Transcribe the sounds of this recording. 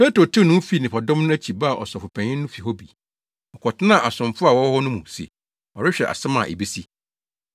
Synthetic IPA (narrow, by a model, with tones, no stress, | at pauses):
pe˦tɾo˨tʰɪ˦˨nʊ̃˦fi˨˦˨nɪ̃˨pʰa˨dɔ̃˦mnʊ̃˦æ˦t͡ɕʰi˨ba˦a˨ʔɔ̰˨sɔ˨fʊ˨pʰæ̃˨ɲɪ̃ː˦ʊ̃˦fi˨hɔ˦bi˨ | ɔ˨kʰɔ˨tʰɪ˦nã˦˨ʔa˨sʊ̃˨mfʊ˦a˨wɔ˦hɔ˦nʊ̃˦mũ˨sḛ˨ | ɔ˨ɾɪ˦ɕᶣɛ˨ʔa̰˨sɪ˦mã̰˨ʔḛ˨bi˦si˦